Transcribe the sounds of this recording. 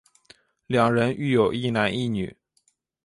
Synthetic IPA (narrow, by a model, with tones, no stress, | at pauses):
ljɑ˨˩ŋɻə˧˥ny˥˩jo˨˩ʊi˥˩na˧˥ni˥˩ny̰˨˩˦